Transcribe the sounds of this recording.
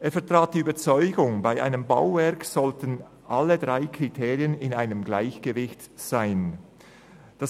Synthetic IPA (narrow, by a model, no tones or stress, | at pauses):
ʔeːɐfɛɐtʁ̥aːt̚d̥iyːbɐt͡sɔʏɡʊŋbaɪʔa̰ɪnəmba̰ʊvɛɐksɔltən | ʔalədʁaɪkʰʁ̥itʰeːʁiənɪnaɪnəmɡlaɪçɡ̥əvɪçt | z̥aɪn | d̥as